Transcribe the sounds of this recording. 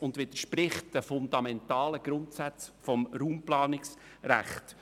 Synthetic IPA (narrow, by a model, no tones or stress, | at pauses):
ʊndʋɪd̥əʃprɪχt̚d̥əfʊndɑmɛntɑːləɡ̥ɾʊntsæt͡sfɔmɾuːmplɑːnɪks | ræ̰χt